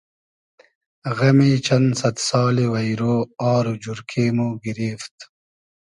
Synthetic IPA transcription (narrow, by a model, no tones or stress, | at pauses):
ɣɐmiːt͡ɕʰɐnsɐt̪sɑːliwɐjɾoːaːɾud͡ʑuɾkʰeːmuɡiɾiːft̪